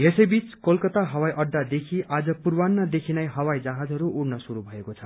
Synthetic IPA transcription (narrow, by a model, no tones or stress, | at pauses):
jesʌjbit͡skolkʌt̪aɦʌwajʔʌɖːad̪ekʰiad͡zʌpurwanːad̪ekʰinajɦʌwajd͡zaɦad͡zʌɾuʔuɽnʌsuɾubʱʌekot͡sʰʌ